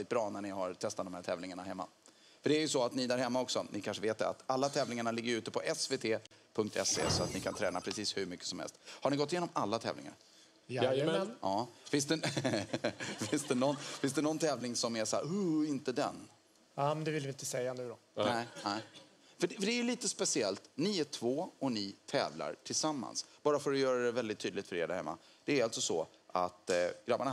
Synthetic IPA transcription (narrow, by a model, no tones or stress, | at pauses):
ɪt̪bɾɑːnæɳɪhaɾt̪ʰɛst̪at̪d̪ɔmhæːʈʰɛːvlɪŋaɳahɛmːa̰ | fœɖɛæɾjɵsɔat̪nɪd̪æːɾhɛmːaɔksɔnʔɪkʰanʂəveːt̪̚d̪ɛ̰a̰t̪alːat̪ʰɛːvlɪŋaɳalɪɡːəɾʉ̟ːt̪əpʰɔʔɛsveːt̪ʰeːpʰɵŋk̚t̪ʰɛ̰sḛːsɔa̰t̪nɪkʰant̪ʰɾɛ̰ːnapʰɾɛsiːshʉɾmʏkːə̥sɔmhɛ̰lst̪haɳɪɡɔt̪ːjeːnɔmalːat̪ʰɛ̰vlɪ̰ŋa̰ɾ | j̪ɑːfɪnstd̪ɛ | fɪnst̪d̪ɛnɔnːfɪns̬d̪ɛnɔnt̪ʰɛːvlɪŋsɔmæʂa̰ːɵɪnt̪əd̪ɛ̰n | amɛnd̪ɛvɪlvɪnt̪əsɛjːanʉ̟ːɾɔ | nɛɪnɛɪ | fəɖfœɖɛæjliːt̪əspɛsɪɛlt̪nɪæʈ̪ʰvoːɔnɪt̪ʰɛ̰ːvla̰ɾʈʰɪlsamːa̰nsb̥ɑːɾafœɾɔjœːɾad̪ɛvɛld̪ɪt̪ʰːyːd̪lɪt̪fœɾeːɾɖæ̰ɾhɛ̰mːa̰ | d̪̥ɛːɾalt̪sɔsɔ | ʔa̰t̪ɡ̥ɾabːana